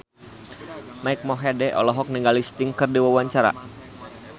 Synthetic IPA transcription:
maik̚mɔɦɛdɛʔɔ̰lɔɦɔk̚niŋɡalist̪ɪŋkɨrdiwawaɲt͡ʃaɾa̰

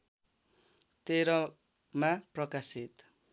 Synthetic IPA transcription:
t̪eɾʌ | maprʌkasit̪

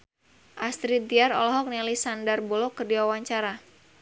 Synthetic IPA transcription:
ʔast̪ɾid̪iarɔ̰lɔɦɔk̚nilisandərbɔlɔkːərdiwawaɲt͡ʃaɾa

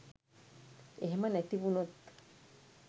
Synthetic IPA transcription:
eɦemanet̪iβunot̪

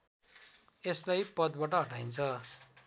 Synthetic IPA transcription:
eslajpʌd̪̚baʈʌɦʌʈaint͡sʰʌ

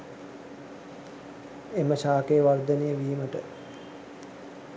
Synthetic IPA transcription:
eməʃaːkejəʋard̪ənejəʋiːməʈə

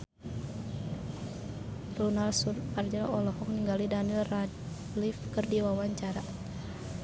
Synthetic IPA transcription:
runalsurpard͡ʒalɔlɔɦɔk̚niŋɡalidanilra | lifkɨrdiwawaɲt͡ʃaɾa

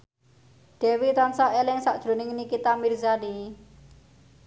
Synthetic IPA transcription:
ɖ̥ɛwit̪ansaʔelɪŋsaʔd̥ʒ̥ɾo̤nɪŋnikit̪amirzani

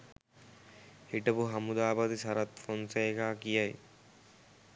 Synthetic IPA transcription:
hiʈɐbuɦɐmud̪aːbɐd̪isɐɾɐt̪fonsɐjekaːkijɐj

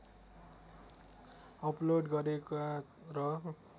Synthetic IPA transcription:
ʌploɖɡʌɾeka | rʌ

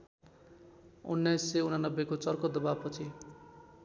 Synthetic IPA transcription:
ṵnːʌjsːeunanʌbːekot͡sʌrkod̪ʌbapʌt͡sʰi

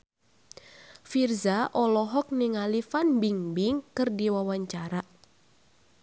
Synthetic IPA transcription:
firzaʔɔlɔɦɔk̚niŋalifanbiŋbiŋkɨrdiwawaɲt͡ʃaɾa

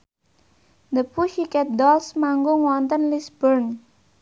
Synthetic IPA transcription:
nəpuʃikɛt̪̚d̪ɔlsmaŋɡoŋwɔnt̪ənlisbərn

